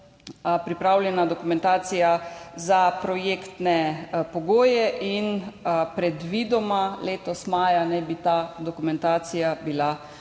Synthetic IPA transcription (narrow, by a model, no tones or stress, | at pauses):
pɾipɾawljɛnad̪ɔkumɛ̃nt̪aːt̪sijazapɾɔjeːkt̪nɛpɔɡoːjɛʔinpɾɛd̪ʋiːd̪ɔmaleːt̪ɔsmaːjanɛbit̪ad̪ɔkumɛnt̪aːt̪sijabila